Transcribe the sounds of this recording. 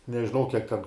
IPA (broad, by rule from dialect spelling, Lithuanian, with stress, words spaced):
nʲɛʒʲɪˈnɐʊ ˈkʲiɛk tʲɛn